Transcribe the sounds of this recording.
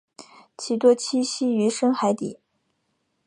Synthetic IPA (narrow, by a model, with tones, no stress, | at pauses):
t͡ɕʰi˧˥˩t̪wɔ˥t͡ɕʰi˥ɕi˥y˧˥ʂə˥ŋxa˧˥ɪt̪ḭ˨˩˦